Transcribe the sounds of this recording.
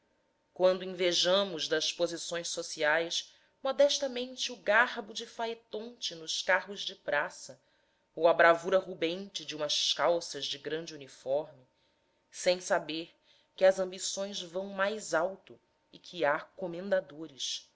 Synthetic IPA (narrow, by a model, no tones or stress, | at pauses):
kwɐ̃nd̪ʊĩveʒɐ̃mʊʒd̪ɐspozisõj̃ʃsosiajs | mɔd̪ɛʃt̪ɐmẽnt͡ʃɪuɡaɦbʊd͡ʒɪfaet̪õnt͡ʃɪnʊʃkaɦʊzd͡ʒɪpɾasɐ | owɐbɾavuɾɐɦubẽnt͡ʃɪd͡ʒɪũmɐʃkawsɐzd͡ʒɪɡɾɐ̃nd͡ʒɪunifɔɾmɪ | sẽj̃sabeɾ | kɪɐzɐ̃mbisõj̃zvɐ̃w̃majzawt̪ʊ | ɪkʰɪakomẽnd̪ad̪oɾɪʃ